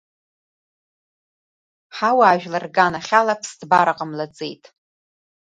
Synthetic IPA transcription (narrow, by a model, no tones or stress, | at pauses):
ħawaːʒᶣlarɡanaχʲalapʰsdbaɾaqʼəmlat͡sʼḛjtʼ